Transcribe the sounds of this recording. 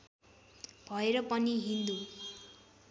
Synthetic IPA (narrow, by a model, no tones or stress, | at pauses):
b̥ʱʌeɾʌpʌniɦind̪u